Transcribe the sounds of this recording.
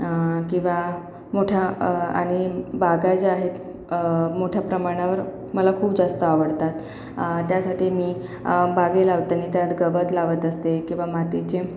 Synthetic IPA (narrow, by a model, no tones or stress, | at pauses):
kĩw̃ʋa | moʈʰjaa̰ɽ̃ibaɡat͡seaɦet̪ | moʈʰjapɾəmaɽ̃aʋəɾ | məlakʰuːpd͡zast̪əaʋəɽt̪at̪ | t̪jasaʈiːmiːbaɡelaʋt̪anit̪jat̪ɡəʋət̪laʋət̪əst̪ekĩw̃ʋamat̪it͡ɕe